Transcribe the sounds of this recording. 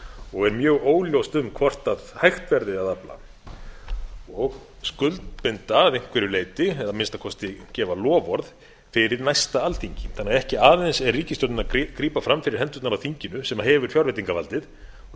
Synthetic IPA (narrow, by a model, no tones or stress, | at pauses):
ɔɣɛɾmjœːɣoːwljowst̪ʏmkʰvɔr̥t̪aðhajxt̪vɛɾðɪaðapla̰ | ɔɣ | skʏlt̪pɪnt̪aːðejŋ̥kʰvɛɾʏleːjt̪ɪɛðamɪnst̪akʰɔst̪ɪcɛːvalɔːvɔɾð | fɪɾɪɾnajst̪aalθiɲcɪθanːɪɣaɛhcɪaːðejnsɛrriːcɪst̪œt̪nɪnakɾiːpafɾamːfɪɾɪɾ̥ɦɛnt̪ʏt̪naɾawθiɲcɪnʏsɛmahɛvʏɾ̥fjɔwɾɛt̪iŋkavalt̪ɪð